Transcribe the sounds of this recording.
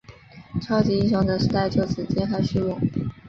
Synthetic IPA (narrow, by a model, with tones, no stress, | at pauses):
ʈ͡ʂʰɑ˥ʊt͡ɕi˧˥i˥˩ɕ̬jɑ˧˥ŋd̪ə˨ʂɻ̩˧˥t̪a˥˧ɪʈ͡ʂjo˥˩ʊt͡sɹ̩˨˩t͡ɕjɛ˥nxa˧˥ɪɕy˥˧wɔ˥˩˦ŋ